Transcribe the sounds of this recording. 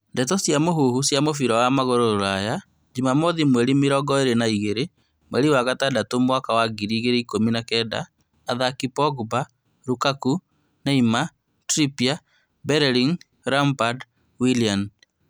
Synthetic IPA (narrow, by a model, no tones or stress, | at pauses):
ndɛt̬ɔsjamoɦuhusjamofiɾɔwamaɣoɾoɾaja | d͡ʒimamoðimweɾimiɾɔɡɔeɾenaiɣeɾe | mwɛɾiwaɣatadatomwakawaɡiɾiːɣeɾeikominakɛda̰ː | ðakipɔɡba | ɾukaku | naima | tɾipia | bɛɾɛɾiŋ | ɾampad | wilian